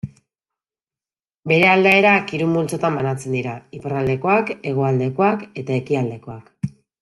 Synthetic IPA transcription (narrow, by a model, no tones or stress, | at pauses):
be̞ɾe̞ald̪ae̞ɾakiɾumbult͡so̞t̪ambanat͡se̞nd̪iɾaiparald̪e̞ko̞ake̞ɣ̞oald̪e̞ko̞ake̞t̪ae̞kiald̪e̞ko̞ak